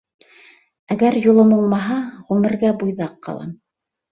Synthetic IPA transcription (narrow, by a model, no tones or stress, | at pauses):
æɡæɾjulˠɤmulˠmɑɦɑʁʉmɘ̆ɾɡæbujðɑqːɑ̰lˠɑ̰m